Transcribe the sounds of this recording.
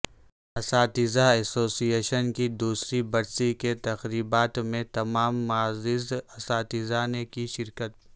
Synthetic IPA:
ɐsaːt̪ɪzaɛsoːsieːʃənkid̪uːsɾibɐɾsiket̪ɐxɾiːbaːt̪mẽt̪ɐmaːmːaːzɪzɐsaːt̪ɪzanekiʃɪɾkət̪̚

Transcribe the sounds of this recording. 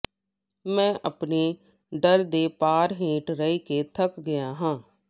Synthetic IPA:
mɛ̃ːʔəpneː | ɖəɾd̪eːpaːɾɦẽːʈɾəiːkeːt̪ʰəkɡɪjãːɦãː

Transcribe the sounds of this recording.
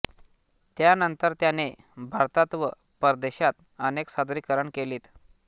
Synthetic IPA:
t̪janənt̪əɾt̪jane | bʱaɾt̪at̪ʋə | pəɾd̪eɕat̪ | əneksad̪ɾikəɾəɳkeliːt̪

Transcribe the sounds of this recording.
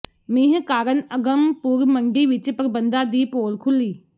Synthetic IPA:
mĩːɦkaːɾənɐɡəmpuɾmɐɳɖiʋit͡ʃpɐɾbə̃nd̪aːd̪iːpoːlkʰʊliː

